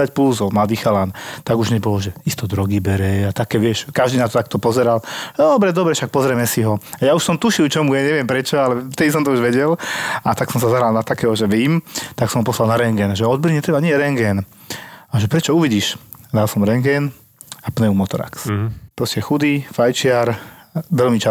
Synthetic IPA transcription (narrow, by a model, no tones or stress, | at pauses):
acpluzɔmlad̪iːxalant̪aɡuʒɲɛbɔlɔʒɛist̪ɔd̪ɾɔɡibɛɾɛat̪akɛːʋɪɛʃkaʒd̪inat̪ɔt̪akt̪ɔpɔzɛɾald̪ɔbɾɛd̪ɔbɾɛʃak̚pɔzɾɛmɛsiɦɔajauʃsɔmt̪uʃilt͡ʃɔmujɛɲɛʋɪɛmpɾɛt͡ʃɔalɛft̪ɛd̪is̬ɔmt̪ɔuʒʋɛɟɛlat̪aksɔmsazaɦɾalnat̪akɛːɦɔʒɛʋiːmt̪aksɔmɦɔpɔslalnaɾɛŋɡɛnʒɛɔd̪̚bɾiɲɛt̪ɾɛbaɲɪɛɾɛŋɡɛn | aʒɛpɾɛt͡ʃɔuʋiɟiʃd̪alsɔmɾɛŋɡɛn | apnɛumɔt̪ɔɾa̰kspɾɔscɛxud̪ifajt͡ʃɪaɾʋɛlmit͡ʃa